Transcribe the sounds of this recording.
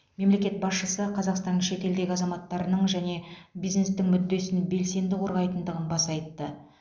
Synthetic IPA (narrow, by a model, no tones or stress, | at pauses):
me̞mle̞kʲe̞t̪̚bɑsʃəsəqʰɑzɑqst̪ɑnːəʃe̞t̪e̞ld̪e̞ɡʲɪɑzɑmɑt̪ːɑɾənəɴʒæne̞bijzne̞st̪ɪŋmʏd̪ːe̞sɪnbe̞lse̞nd̪ɪqʰo̞ɾʁɑjt̪ənd̪əʁənbɑsɑjt̪ːə